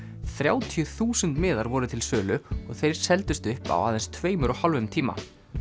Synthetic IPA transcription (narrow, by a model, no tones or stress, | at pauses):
θɾjaːwt̪ʰijʏθuːsʏnt̪mɪːðaɾvɔɾʏt̪ʰɪlsœːlʏɔɣθejɾ̥sɛlt̪ʏst̪ʏhpa̰wa̰ːðɛnst̪ʰveːjmʏɾɔɣhalvʏmt̪ʰiːma̰